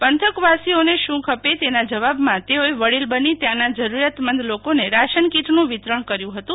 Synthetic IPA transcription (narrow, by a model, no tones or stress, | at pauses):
pənt̪ʰəkʋasioneʃũkʰəpet̪enad͡ʒəʋabmãt̪eoeʋəɽilbənit̪jãnad͡ʒəɾuɾjat̪mənd̪lokoneɾaʃənkiʈnũʋit̪ɾəɳ̃kəɾjũɦət̪ũ